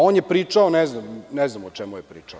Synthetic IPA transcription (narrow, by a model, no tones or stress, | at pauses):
oːnjepɾiːt͡ʂaonɛznamnɛznamot͡ʃemujepɾiːt͡ʂao